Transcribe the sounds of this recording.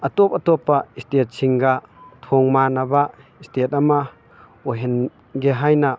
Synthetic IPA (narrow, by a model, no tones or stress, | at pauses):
ʔat̪ɔp̚at̪ɔpaistet̚sʰiŋɡat̪ʰɔŋmanaba | istet̚ama | ɔɦɛn | ɡeɦajna